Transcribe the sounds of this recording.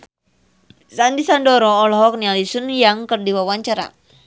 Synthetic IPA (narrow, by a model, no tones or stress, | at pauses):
sandisandɔɾɔːlɦɔk̚nialisunjaŋkərdiwawaɲt͡ʃaɾa̰